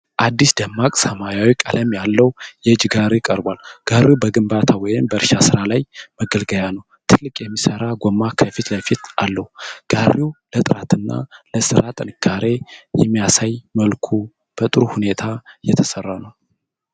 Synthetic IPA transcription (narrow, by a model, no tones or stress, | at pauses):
ʔad̪ːisd̪əmːakʼsəmajawikʼaləmjalːəwjɛd͡ʒɡaɾɪkʼəɾbwalɡ̥aɾiubəɡɨmbat̪ʰawɔjɪmbəɨɾʃasɨɾalajməɡəlɡəjanəw | t̪ʰɨlːɨkʼjɛmːisəɾaɡʷomːakʰəfit̪ləfit̪ʔalːəhuɡ̥ariwulət̪ʼɨɾat̪ʰɨnːa̰ləsɨɾat̪ʼɨnɨkʰːaɾe̞jɛmːijasajməlkʰu | b̥ət̪ʼɨɾuhune̞t̪ʰajɛt̪ʰəsərːanəw